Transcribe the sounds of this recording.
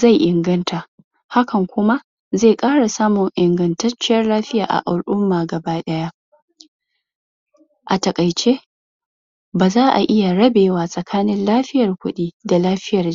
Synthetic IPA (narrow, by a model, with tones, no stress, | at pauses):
za˦˨jʔɪ˨ŋɡɐ˦ntʰa˨ʔ | ha˦kɐ˨ŋkʷʊ˦ma˦ | ze˦˨kʼaː˦ɽa˨saː˦mʊ˨ŋʔɪ˨ŋɡɐ˨ntɐ˦t͡ʃːɪ˦jɐ˦rlaː˦ɸɪ˦jaː˨ʔa̰˨ʔa˨lʔʊ˦mːaː˨ɡɐ˨ba˦ɗɐ˦ja˦ | ʔa˨tɐ˨kʼɐ˨jt͡ʃeː˦ | baː˨zaː˦ʔa˨ʔɪ˦ja˨ɽɐ˦beː˨waː˨sʼɐ˨kʰaː˦nɪ˦nlaː˦ɸɪ˦jɐ˨rkʷʊ˦ɗiː˦da˨laː˦ɸɪ˦jɐ˨r